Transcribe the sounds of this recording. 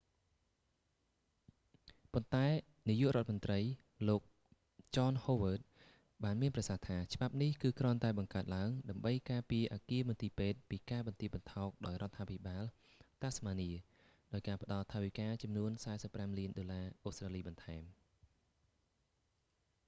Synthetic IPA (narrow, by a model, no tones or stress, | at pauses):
pont̪aɛ | nijːŭəʔrŏət̪̚mənt̪rəj | loːk̚ | t͡ɕɑːnhoːʋəːt̪̚ | ɓaːnmiənprɑsaht̪ʰaːt͡ɕə̆ɓap̚nihkɨːkrŏənt̪aɛɓɑŋkaət̪̚laəŋɗaəmɓəjkaːpiəʔaːkiəmɨənt̪iːpeːt̪̚piːkaːɓɑnt̪iəɓɑnt̪ʰɑːk̚ɗaɔjrŏət̪ʰːaːpʰiɓaːl | t̪aːsmaːniə | ɗaɔjkaːpə̆ɗɑlt̪ʰaːʋikaːt͡ɕɑmnuənsaɛsəpːramliənɗoːlaːʔoːst̪raːliːɓɑnt̪ʰaɛm